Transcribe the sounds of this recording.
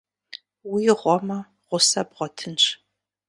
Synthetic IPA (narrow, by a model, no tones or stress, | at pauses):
wiːʁʷɔmɐ | ʁʷʊsɐbʁʷɔtʰɨnʂ